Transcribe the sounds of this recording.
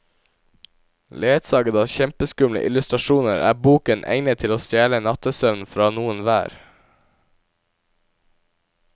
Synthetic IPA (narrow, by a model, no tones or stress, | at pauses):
leːt̪sɑːɡəd̪ɑːçɛmpəskʉmlə̰ʔɪ̰lʉst̪ɾɑʃuːnəɾæ̰ːbuːkənʔæ̰ɪnət̪ʰɪloːst̪jæːlənɑt̪əsœʋnfɾɑːnuːənʋæ̰ːɾ